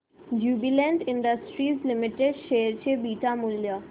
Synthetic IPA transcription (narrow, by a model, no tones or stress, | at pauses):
d͡ʒuːbilẽɳɖɪ̃ɳɖəsʈɾiːzlɪmɪʈeɖʃeːəɾt͡ɕʰebiːʈamʊlja